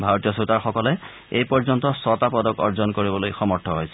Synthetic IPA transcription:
bʱaɹotijɔsutaɹxɔkɔlɛ | ejpɔɹzɔntɔsɔtapɔdɔkɔ̰ɹzɔnkoɹibɔlojxɔmɔɹtʰːɔɦojsɛ̥

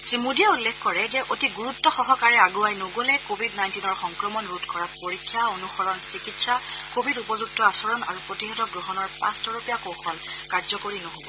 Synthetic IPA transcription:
sɹimudiɛulːɛkʰkɔɹɛzɛʔotiɡuɹutːɔxɔɦɔkaɹɛaɡuajnoɡolɛkobʱidnajntinɔɹxɔŋkɹɔmɔnɹutkɔɹapoɹikʰːjaonuxɔɹɔnsikitsakobʱidupɔzuk̚tɔasɔɹɔna̰ɹupɹotiɦɔtɔɡɹoɦɔnɔɹpãstɔɹupijakoxɔl | kaɹzɔkoɹinɔɦobɔ

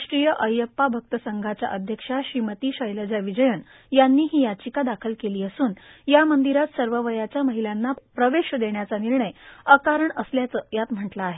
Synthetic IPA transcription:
ʂʈɾijəʔəjəpːabʱək̚t̪əsəŋɡʱat͡ɕja̰ʔəd̪ʱjəkʂaɕɾimət̪iːɕəjləd͡ʑaʋid͡ʑəjəɳ | janːiːɦiːjat͡ɕikad̪akʰəlkeliːəsuːnjamənd̪iɾat̪səɾʋəʋəjat͡ɕjaməɦilanːapɾəʋeɕəd̪eɳjat͡saniɾɳəjəkaɾəɳəsljat͡səjat̪m̤əʈlaːɦe

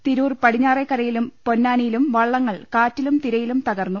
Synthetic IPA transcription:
t̪iɾuːrpɐɽiɲːaːrekːɐrɐjilumpo̞nːaːnijilumʋɐɭːɐŋːɐɭkaːtːilumt̪iɾɐjilumt̪ɐɣɐrnːu

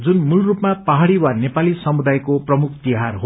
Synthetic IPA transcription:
d͡zunmulrupmapaɦaɽiwanepalisʌmud̪ajkoprʌmuk̚ʰt̪iɦarɦo

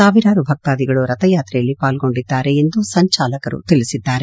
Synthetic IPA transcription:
aːʋiɾaːɾubʱɐk̚t̪aːd̪iɡɐɭuɾɐt̪ɐjaːt̪ɾɛjɐlːipaːlɡo̞ɳɖid̪ːaːɾe̞ːnd̪usɐɲt͡ʃaːlɐkɐɾṵt̪iɭisid̪ːaːɾe

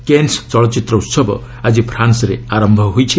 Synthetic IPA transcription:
kenst͡ʃɔɭɔt͡ʃit̪ɾɔut̪sɔbɔ̰ | ad͡ʒipʰɾansɔɾeaɾɔmbʱɔɦojt͡ʃʰi

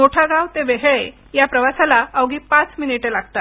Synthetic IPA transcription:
moʈʰaɡãʋt̪eʋeɦɭe | japɾəʋasalaəʋɡʱiːpãt͡sminiʈelaɡt̪at̪

